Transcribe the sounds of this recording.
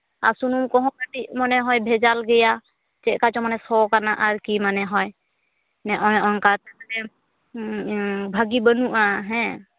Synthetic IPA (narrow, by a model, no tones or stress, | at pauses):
aɾsunumkɔɦɔ̃kaʈiʔmɔnɛɦɔjbʱɛd͡ʒalɡɛja | t͡ʃɛʔˀkat͡ʃɔmanɛsɔwkanaʔaɾkimanɛɦɔj | nɛʔɔjɔnkat̪aklɛ | bʱaɡibənuʔaɦɛ̃